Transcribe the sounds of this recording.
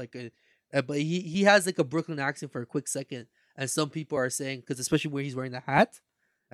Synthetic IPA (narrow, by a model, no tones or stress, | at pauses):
aɪkɨ | ʔʌbʌt̚hihiɨzlaɪkəbɹʊklɪ̃ŋæksɨ̃nfə˞ɨkʰw̥ɪksɛkɨ̃nd̥ | ʔɨ̃nsʌ̃mpipl̩ˠə˞seɪɪ̃ŋkʰʌzɨspɛʃl̩ˠiwə˞izwɛɹɪ̃ŋðɨhæt